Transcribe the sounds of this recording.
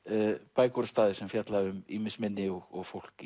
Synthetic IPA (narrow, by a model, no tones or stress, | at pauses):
paːjkɔɾast̪aːðɪsɛmfjat̪laʏmiːmɪsmɪnːɪɔɣɔɣfowl̥kɪ